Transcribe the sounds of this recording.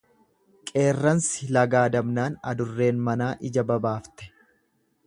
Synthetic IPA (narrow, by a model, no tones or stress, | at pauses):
kʼe̞ːrːɐnsɪlɐɡaːd̪ɐmnaːnɐ̰d̪ʊrːe̞ːnmɐnaːʔɪd͡ʒɐbɐbaːft̪ɛ̥